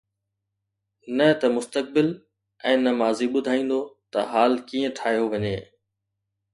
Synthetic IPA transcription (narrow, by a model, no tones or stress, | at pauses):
nɐt̪ɐmʊst̪ək̚bɪl | ɛ̃ːnɐmaːziɓʊd̪ʱaːĩːn̆d̪ot̪ɐɦaːlkiːə̃ʈʰaːɦjoʋɐɲeː